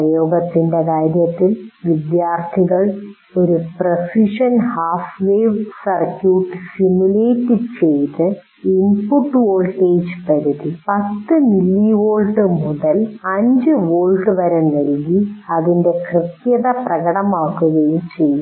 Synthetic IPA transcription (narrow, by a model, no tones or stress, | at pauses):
jo̞ːɡɐt̪ːinde̞kaːɾjɐt̪ːilʋid̪jaːrt̪ʰiɣɐɭ | o̞ɾuprɐfiʂɐnhaːfʋeːʋsɐrkjuːʈːsimjuleːtːit͡ɕe̞jt̪ːɨ | inpuʈːʋoːlʈeːd͡ʑpɐɾuðipɐt̪ːɨnilːiʋo̞ːlɖɨmuðɐlɐɲd͡ʑɨʋoːɭɖɨʋɐɾennɐlɡiɐðinde̞krɨt̪jɐðɐprɐɣɐɽɐmaːkːuɣɐjumt͡ɕe̞jːu